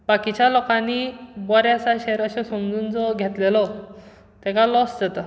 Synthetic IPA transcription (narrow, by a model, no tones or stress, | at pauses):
bakit͡ɕjalɔkãnːibɔɾjasaɕɛɾəɕẽsɔmd͡zuːnd͡zɔɡʱet̪lelɔ | t̪ɛkalɔsd͡zet̪ə